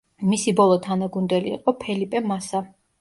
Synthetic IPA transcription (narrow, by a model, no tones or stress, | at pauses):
misibɔlˠɔt̪ʰanaɡund̪ɛlḭːqʼɔpʰɛlipʼɛmasa